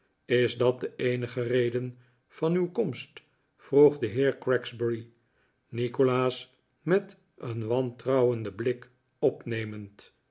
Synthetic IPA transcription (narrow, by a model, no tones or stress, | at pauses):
ɪzdɑt̚dəʔejnəχərejdən | v̥ɑnywkɔmst | fruχdəɦɪːɹkrɛkzsbɛɹi | nikolaːs | mɛt | ənʋɑntrɑwəndəblɪk | ɔpnejmənt